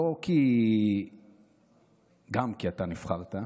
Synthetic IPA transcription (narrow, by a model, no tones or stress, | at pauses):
oki | ɡamkiat̪anifχalt̪a